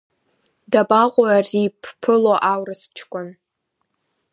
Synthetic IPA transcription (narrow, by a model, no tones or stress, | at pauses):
dabʼaqʷʼʊaripʰpʰɨloʔawrɨst͡ʃʰkʷʼʊn